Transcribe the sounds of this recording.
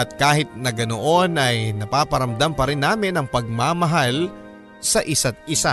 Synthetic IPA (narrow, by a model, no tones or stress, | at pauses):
ʔɐt̪̚kaːhɪt̪̚nɐɡɐnoʔo̞nʔɐjnɐpaːpɐɾɐmd̪ampɐɾɪnːaːmɪnɐŋpɐɡ̚maːmɐɦal | sɐʔɪsat̪̚ɪsa